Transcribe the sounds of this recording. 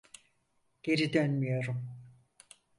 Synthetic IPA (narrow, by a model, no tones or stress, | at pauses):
ɟ̥e̞ɾid̪ønmyjo̞ɾum